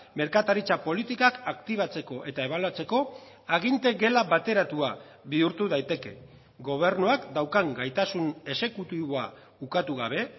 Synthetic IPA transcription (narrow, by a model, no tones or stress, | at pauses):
me̞ɾkat̪aɾit͡sapo̞lit̪ikakakt̪iβ̞at͡se̞ko̞ʔe̞t̪ae̞β̞aluat͡se̞ko̞ | aɣint̪e̞ɡe̞laβat̪e̞ɾat̪ua | βiuɾt̪uð̞ajt̪e̞ke̞̰ | ɡo̞β̞e̞rnuakd̪awkaŋɡajt̪asune̞se̞kut̪iβoa | ukat̪uɣaβ̞e̞